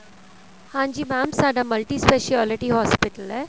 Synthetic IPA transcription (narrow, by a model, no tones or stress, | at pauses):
hãːɲd͡ʒimãːmsaːɖamɐlʈispeʃaːlɪʈiɦɔːspɪʈəlɦɛː